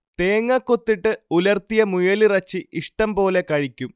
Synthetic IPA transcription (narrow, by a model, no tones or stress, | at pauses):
t̪e̞ːŋːɐkːo̞t̪ːiʈːɨulɐrt̪ijɐmujɐlirɐt͡ɕːiʔiʂʈɐmpo̞ːle̞kɐɻikʲːum